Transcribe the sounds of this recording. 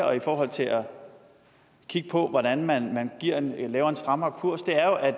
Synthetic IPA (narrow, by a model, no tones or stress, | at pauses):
ɒ̽ifɒːɦɒ̽l̰t͡sʰe̝lʔæ | kʰiɡ̥̚pʰɒ̽ʋɒɾ̥ænmænmænɡ̥iɐ̰enlɛːʊɐe̝nsd̥ʁɑ̈mɐːkʰuɐ̰sd̥e̝æɐjo̝ʔæ̥